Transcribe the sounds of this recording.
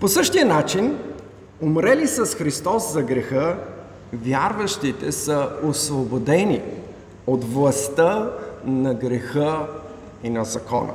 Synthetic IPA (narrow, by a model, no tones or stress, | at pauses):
posɤʃt̪ijənat͡ʃin | omɾɛlisəsxɾist̪ɔszɐɡɾɛxə | vʲjaɾvɐʃt̪it̪ɛsəosvobod̪ɛni | ot̪vlˠɐst̪ənɐɡɾɛxə | inɐzɐkɔ̰nə̰